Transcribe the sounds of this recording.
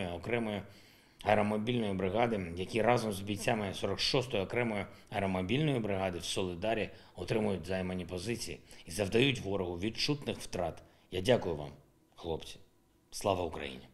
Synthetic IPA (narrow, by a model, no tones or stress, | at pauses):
jʊɔkɾɛmɔjʊ | ɐɾɔmɔbʲilʲnɔjibɾɪɦɑd̪ɪjɐkʲirɑzɔmzbʲijt͡sʲamɪsɔɾɔkʃɔst̪ɔjiɔkɾɛmɔjʊɐɾɔmɔbʲilʲnɔjibɾɪɦɑd̪ɪwsɔlʲˠɪd̪ɑɾʲi | ɔt̪ɾɪmʊjʊtʲzɐjmɐnʲipɔzɪt͡sʲijiizɐwd̪ɐjutʲʋɔɾɔɦʊʋʲidt͡ʃut̪nɪxwt̪ɾɑt̪ | jadʲakʊjʊʋɑ̰m | xlˠɔpt͡sʲi̥ | slˠɑʋɐʊkɾɐ̰jḭnʲi